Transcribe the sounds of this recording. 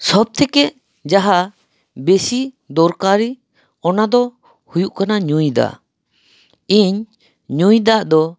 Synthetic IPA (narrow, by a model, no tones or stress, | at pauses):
sɔb̚t̪ʰɛkɛʔ | d͡ʒaɦa | besi | d̪ɔɾkaɾi | ɔnad̪ɔ | hujuʔkanaɲujd̪a̰ | iɲ | ɲujd̪aʔd̪ɔ